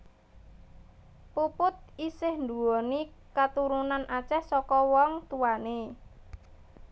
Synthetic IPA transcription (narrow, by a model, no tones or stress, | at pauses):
pupʊt̪̚isɪhnd̪uwɔnikat̪uɾunanʔat͡ʃɛhsɔkɔwɔŋt̪uwane